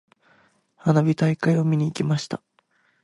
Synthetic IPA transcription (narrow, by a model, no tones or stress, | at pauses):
hanabʲit̪aikaiomʲiɲ̟iːkʲimaɕi̥t̪a